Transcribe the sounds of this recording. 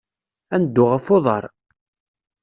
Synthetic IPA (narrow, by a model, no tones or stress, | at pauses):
ænd̪ːʊʁəfoðˤɑɾˤ